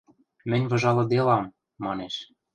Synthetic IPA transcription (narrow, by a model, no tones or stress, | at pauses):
mɘ̆nʲvɤ̆ʒɑlɤ̆d̪elɑmː | ɑneʃ